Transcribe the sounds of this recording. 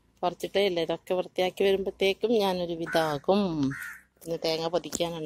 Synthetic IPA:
pɐrɐt͡ɕːiʈːɨilːɐiðokːeʋrɐt̪ːijaːkːiʋɐɾumpɐt̪ːeːkːumɲaːno̞ɾuʋid̪aːɣum | p̪inːet̪eːŋːɐpɐd̪ʰʱikʲːaːnaːɳɨ

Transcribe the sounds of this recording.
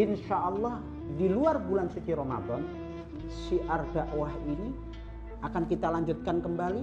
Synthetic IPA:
ɪnʃaʔɑlːɑh | diluarbulansik̪iɾoma̰d̪ɔn | siʔard̥aʔwahini | ʔakankit̪alaɲd͡ʒʊt̪̚kankəmbali

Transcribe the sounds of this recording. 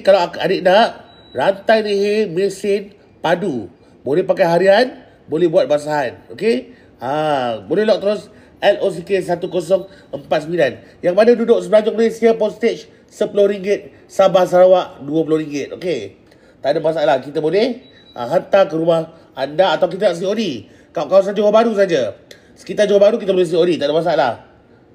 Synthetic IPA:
kalawaa̰dəʔ̚naʔ | rant̪ajniɦemesɪn | padu | bolɛhpakajɦaɾian | bolɛhbuat̪̚bas̬aɦanoke | abolɛhlɔk̚t̪əɾʊs | ɛlos̬ikes̬at̪ukos̬ɔŋ | əmpat̪̚səmilan | jaŋmadadudʊʔsəbəlaɲd͡ʒʊk̚məlesiapɔst̪et͡ʃ | səpulʊhɾiŋɡɪt̪̚ | sabahs̬əɾawaʔduəp̬ulʊhɾiŋɡɪt̪̚ʔo̰ke | t̪aʔdabasaaʔlakit̪əbolɛh | ʔa̰ɦant̪akəɾumah | andaat̪awk̬it̪əaʔs̬iodi | kaʔkaws̬and͡ʒowahbaɾus̬ad͡ʒə | sə̥kit̪ard͡ʒowabaɾuk̬it̪̬əbolɛhs̬iodit̪aʔdabas̬aaʔlah

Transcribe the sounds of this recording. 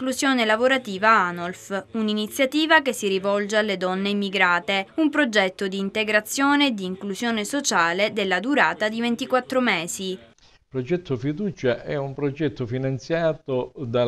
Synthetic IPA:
klusjoːnelavoɾat̪iːvaanolfuninit̪sːjat̪iːvakesːiɾivɔld͡ʒealːed̪ɔnːeimːiɡɾaːt̪eumpɾod͡ʒɛt̪ːod̪iːnt̪eɡɾat̪sːjoːned̪iːŋklusjoːnesot͡ʃaːled̪elːad̪uɾaːt̪ad̪ivent̪ikwat̪ːɾomɛːzi | pɾod͡ʒɛt̪ːofid̪uːt͡ʃaʔʔɛumpɾod͡ʒɛt̪ːofinant̪sjaːt̪od̪a

